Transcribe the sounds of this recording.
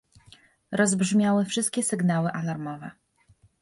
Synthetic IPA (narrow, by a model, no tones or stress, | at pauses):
ɾɔzbʐmʲjawɘfʂɘst̪̚kʲɛsɘɡnawɘʔalaɾmɔvɛ